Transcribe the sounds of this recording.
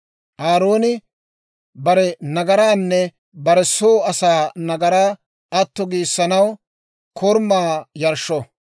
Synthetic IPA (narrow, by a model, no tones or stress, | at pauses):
ʔaːɾoːnɪ | bɐɾɛnɐɡɐɾaːnːɛ | bɐɾɛsoːɐsaːnɐɡɐɾaː | ɐt̪ːɔɡiːsːɐnɐw | kʰɔɾmaːjɐɾʃːɔ